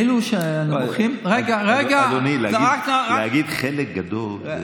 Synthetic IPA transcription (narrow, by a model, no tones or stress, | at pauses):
eluʃeanaoχimʁeɡaʁeɡalonileaɡiakaʁaeaɡid̪χelek̚ɡad̪ol